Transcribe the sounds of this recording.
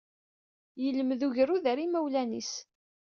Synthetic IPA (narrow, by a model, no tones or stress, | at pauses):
jələməðuʝəruðəɾimæwlænḭs